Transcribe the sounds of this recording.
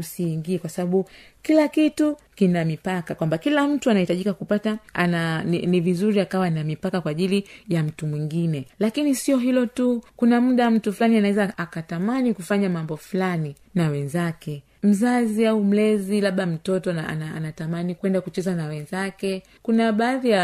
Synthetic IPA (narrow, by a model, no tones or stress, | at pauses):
usiːŋɡiɛkwasaɓaɓu | kilakitukinamipakakwambakilam̩tuanahitaʄikakupataananivizuɾiakawanamipakakwaːʄilijam̩tumwiŋɡinɛlakinisiɔɦilɔtukunam̩ɗam̩tufulanianawɛzaakatamanikufaɲamambɔflani | nawɛnzakɛ | m̩zaziaum̩lɛzilaɓam̩tɔtɔnaa̰naa̰natamanikwɛndakut͡ʃɛzanawɛnzakɛ | kunaɓaːðija